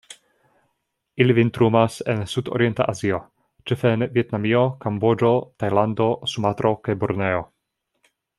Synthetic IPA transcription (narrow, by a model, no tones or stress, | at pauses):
ilivint̪ɾumasensudo̰ɾient̪a̰ʔazio̞ | t͡ʃefenvjet̪namiokambod͡ʒo̞t̪ajland̪o̞sumat̪ɾo̞kajboɾneo